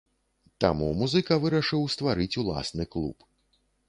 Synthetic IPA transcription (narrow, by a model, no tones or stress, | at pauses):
t̪amumuzɨkɐvɨɾɐʂɨwst̪vaɾɨt͡sʲulˠa̰snɨklˠṵp